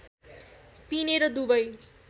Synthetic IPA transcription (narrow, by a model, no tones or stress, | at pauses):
pineɾʌd̪ubʌj